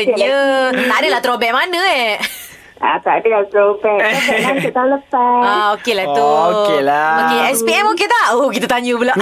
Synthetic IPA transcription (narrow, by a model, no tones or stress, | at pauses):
ɲət̪aʔdəlat̪ɾobɛʔmanəɛʔ | a̰t̪adəlat̪ɾobɛasɛlant̪əʔt̪awləpaaokelat̪uokelaokeɛspiɛmoket̪aʔokit̪at̪aɲubula